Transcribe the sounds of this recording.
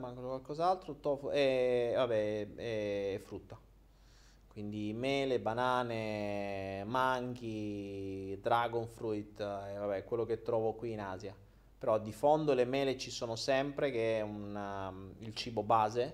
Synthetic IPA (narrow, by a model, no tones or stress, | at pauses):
maŋkonokwalkɔːzalt̪ɾot̪ɔfɛvabɛɛɛfːɾut̪ːa | kwind̪imɛːlebanaːne | maŋk̟i | d̪ɾaɡonfɾuit̪evabɛkwelːoket̪ːɾɔːvokwiːnaːzja | peɾɔd̪ifond̪olemɛːlet͡ʃisoːnosɛmpɾek̟eɛunailt͡ʃiːbobaːze